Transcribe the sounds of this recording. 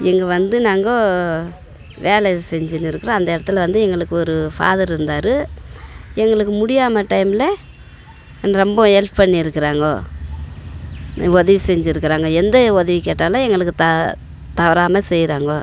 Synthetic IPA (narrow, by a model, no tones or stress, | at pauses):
ɛŋɡɐʋɐnd̪ɯnaːŋɡoː | ʋeːɭɛsɛɲd͡ʒɪnːɪɾɯkːɯɾõɐnd̪ɐɪɽɐt̪ːɯlʋɐnd̪ɯɛŋɡɐɭɯkːɯɔɾɯfa̰ːðɐɾɪɾɯnd̪aːɾɯ | ɛŋɡɐɭɯkːɯmʊɽɪjaːmɐʈɐɪmɪlɐ | nːɐɾɔmbɐ̃ɛlppɐɳːiɪɾɯkːɪɾaːŋɡoː | ɔðɐʋisɛɲd͡ʒɪɾɯkːɪɾaːŋɡɐɛnd̪ɐɔðɐʋikeːʈːaːlãːɛŋɡɐɭɯkːɯt̪ɐ | t̪ɐʋɐɾaːmɐsɛjːɾaːŋɡoː